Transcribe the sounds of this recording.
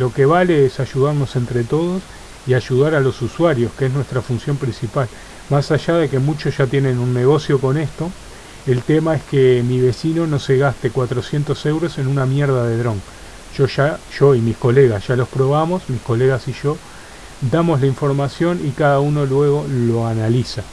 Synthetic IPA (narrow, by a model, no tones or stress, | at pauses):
lo̞ke̞βale̞esaʒuðaɾno̞se̞nt̪ɾe̞t̪o̞ðos | iaʒuðaɾalo̞suswaɾjo̞skeesnwe̞st̪ɾafunsjo̞mpɾĩnsipal | masaʒaðe̞kemut͡ʃosʒ̥at̪je̞nẽnunːeɣo̞sjo̞ko̞ne̞st̪o̞ | elt̪emae̞hkemiβ̞e̞sino̞no̞se̞ɣast̪e̞kwat̪ɾo̞sje̞nt̪o̞se̞wɾo̞se̞nunamjeɾð̞aðe̞ðɾo̞ŋ | ʒ̥o̞ʒaʒ̥o̞imisko̞le̞ɣasʒ̥alo̞spɾo̞βamosmihko̞le̞ɣasiʒo̞ | d̪amo̞zlaiɱfo̞ɾmasjo̞nikaðauno̞lwe̞ɣo̞lo̞analisa